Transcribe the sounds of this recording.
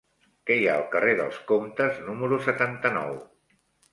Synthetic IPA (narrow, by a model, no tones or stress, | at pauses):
kɛjaəlˠkəreðə̰lˠskomt̪əznuməɾusət̪ant̪ənɔ̰w